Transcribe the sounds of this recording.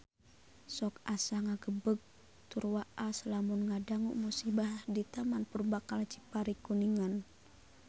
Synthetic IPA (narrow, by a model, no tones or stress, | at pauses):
sɔkasaŋaɡəbəɡ̚ | t̪urwaʔasəlamunŋadaŋṵʔmusibahdit̪amanpərbakalt͡ʃi̥paɾikuniŋan